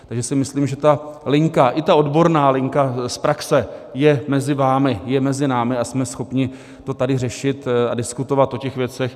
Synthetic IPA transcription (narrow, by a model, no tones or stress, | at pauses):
t̪aɡʒɛsɪmɪsliːmʒɛt̪alɪŋkaʔɪt̪ao̞dbo̞ɾnaːlɪŋkaspɾaksɛjɛmɛzɪvaːmɪjɛmɛzɪnaːmɪasmɛsxo̞pɲɪ | t̪o̞t̪adɪrɛʃɪt̪adɪskut̪o̞vat̪ʔo̞cɛxvjɛt͡sɛx